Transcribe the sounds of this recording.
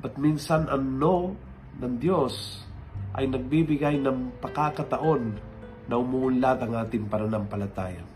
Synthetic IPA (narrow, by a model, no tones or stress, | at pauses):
bɐt̪̚minsanʔɐno | nɐŋd̪jo̞s | ʔɐ̰jnɐɡ̚bibɪɡajnɐŋpɐkakɐt̪ɐʔo̞nː | ɐʊmuʔʊnlat̪ɐŋʔaːt̪ɪŋpɐnɐnampɐlɐt̪aːja̰